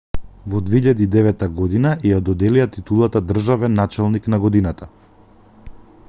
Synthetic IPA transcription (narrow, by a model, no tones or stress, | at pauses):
vɔd̪vɛiʎad̪iːd̪ɛvɛt̪ːaɡɔd̪inajad̪ɔd̪ɛliat̪it̪ulˠat̪ad̪r̩ʒavɛnːat͡ʃɛlˠniknaɡɔd̪inat̪a